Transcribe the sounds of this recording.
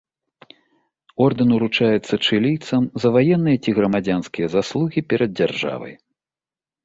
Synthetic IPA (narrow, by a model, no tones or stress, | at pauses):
ɔrd̪ɨnuɾut͡ʂajɛt̪sːɐt͡ʂɨlʲijt̪sɐmzɐvajɛnːɨjɐt͡sʲiɣɾɐmad͡zʲanskʲijɐzaslˠuɣʲipʲɛɾɐd̪̚d͡zʲarʐa̰vɐ̰j